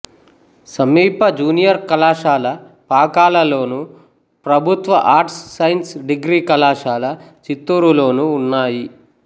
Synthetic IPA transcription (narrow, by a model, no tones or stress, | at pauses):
sɐmiːpɐd͡ʒuːnijɐɾkɐlaːʃaːlɐ | paːkaːlɐlo̞ːnu | pɾɐbʱut̪ʋɐʔaːɾʈsːɐjnsɖiɡɾiːkɐlaːʂaːlɐt͡ʃit̪ːuːɾulo̞ːnuːnːaːji